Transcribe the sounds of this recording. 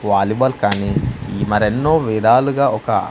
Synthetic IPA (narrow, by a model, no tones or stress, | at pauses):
ʋaːlibɐlkaːniːmɐɾenːoːʋiːɽaːluɡaːɔkɐ